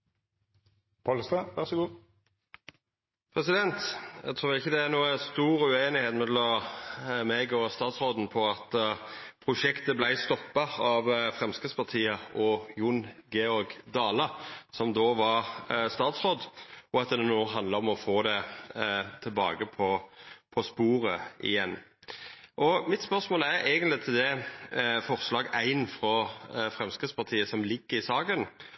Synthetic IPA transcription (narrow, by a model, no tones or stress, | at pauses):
pʰɑlst̪ɑʋæʁsɔɡuː | pʰɾɛsɪd̪ɛnt̪ɛ̰ɡ̚t̪ʰɾuːlɪçːəd̪ɛæɾnuːəəst̪uːɾʉeːnɪheːt̪mɛlɔm | meɡɔst̪ɑːt̪sʁoːd̪n̩pʰɔɑt̪pʰɾʊʃɛkt̪əblæɪst̪ɔpːɑɑʋfʁɛmskəspʰɑʁt̪ʰiːəɔjʊnɡeɔɾɡd̪ɑːləsɔmd̪oːʋɑst̪ɑːt̪sʁɔd̪ɔɑt̪̚d̪ɛd̪ɛnuːənɦɑnd̪ləɾɔmɔfoːd̪ɛ | t̪ʰɪlbɑ̰ːɡəpʰɔpʰɔspuːɾəɪ̰jɛnː | ʔɔmɪt̪spœʁsmoːlæɾæɪɡənt̪lɪt̪ʰɪld̪ɛ | fɔʁslɑːɡæɪnfɾɔfɾɛmskɾət̪spɑʁt̪ʰiːəsɔmlɪɡːəɾɪsɑːɡən